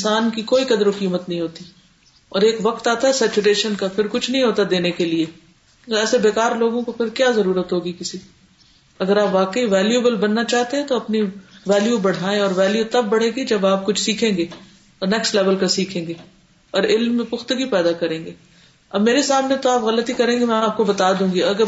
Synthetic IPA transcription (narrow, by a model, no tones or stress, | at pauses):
ɪ̃nsaːnkikoːikɐd̪ɾokiːmət̪nɐɦĩɦoːt̪i | ɔːɾeːkʋɐq̚t̪aːt̪aɦɛsɛːt͡ʃuɾeːʃənkapʰɪɾkʊt͡ʃʰnɐɦĩɦoːt̪ad̪eːnekelie | ɛːsebeːkaːɾloːɡõkopʰɪɾkjaːzɐɾuːɾət̪ɦoːɡikɪsi | ɐɡəɾaːpʋaːkəiʋɛːljeːbəlbɐnːat͡ʃaːɦt̪eɦɛ̃t̪oɐpniʋɛːljubɐɽ̤aːẽɔːɾʋɛːljut̪ɐb̚ːɐɽ̤ẽːɡid͡ʒɐbaːp̚kʊt͡ʃʰsiːkʰẽːŋɡe | ɔːɾnɛːksʈlɛːʋəlkasiːkʰẽːŋɡeː | ɔːɾɪlmːẽpʊxt̪əɡipɛːd̪akɐɾẽːŋɡeː | ɐbmeːɾesaːmnet̪oaːpɣɐlət̪ikɐɾẽːŋɡemɛ̃aːp̚kobɐt̪aːd̪ũːŋɡiɐɡə